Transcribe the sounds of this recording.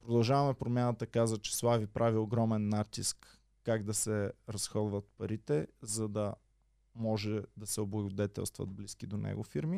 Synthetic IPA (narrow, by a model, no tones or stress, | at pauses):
pɾod̪ɐlˠʒavɐmɛpɾomʲjanət̪əkazvət͡ʃɛ̥slˠavipɾʔavioɡɾɔmɛnːat̪iskː | aɡd̪ɐsɛɾɐsxɔd̪vət̪̚pɐɾit̪ɛzɐd̪ɐ | mɔʒɛd̪ɐsɛoblˠɐɡod̪ɛt̪ɛ̰lˠst̪vɐ̰d̪̚bliskid̪onʔɛ̰ɡʊfiɾmi